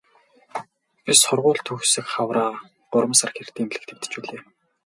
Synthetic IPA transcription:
pʲisχʊrʁʊːɮt̪ʰɵxsɘ̆kχawraː | ɢʊɾə̆msarxer̥t̪iːmɮɘ̆kt̪ʰĕ̥mʲt̪ɘ̥̆t͡ɕuːɮeː

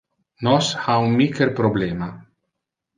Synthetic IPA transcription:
nɔshaunmikeɾpɾobleːma

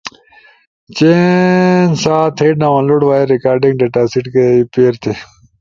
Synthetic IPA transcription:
t͡ɕe | nsaːt̪ʰeːʈnaʋãnloɽʋaːeɾikaːɾɖĩŋɡɖeːʈaːsiʈkeipeːɾt̪ʰe

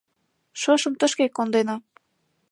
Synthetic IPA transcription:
ʃɤʃə̆mt̪ə̆ʃkekːond̪enɑ

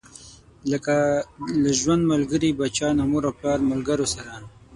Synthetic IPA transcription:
ləkalaʒwand̪malɡəɾibat͡ʃɑnamuɾawplɑːɾmʊlɡaɾosaɾa

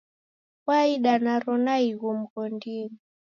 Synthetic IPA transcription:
waiɗanaɾɔnaiɣum̩kɔndini

